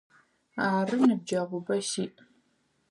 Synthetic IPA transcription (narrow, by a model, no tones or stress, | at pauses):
aːrɨnɨb̚d͡ʒɐʁʷʊbɐʃiːʔ